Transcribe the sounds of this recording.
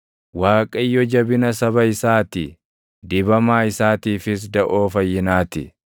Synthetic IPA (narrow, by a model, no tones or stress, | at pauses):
waːkʼɐjːɔd͡ʒɐbɪnɐsɐβɐɪsaːt̪ɪ | d̪ɪːbɐmaːɪsaːt̪iːfɪs̬d̪ɐʔo̞ːfɐjːɪnaːt̪ɪ